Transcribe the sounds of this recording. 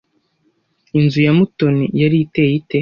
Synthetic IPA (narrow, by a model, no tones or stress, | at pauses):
inzujamuto̞nijaɾitejite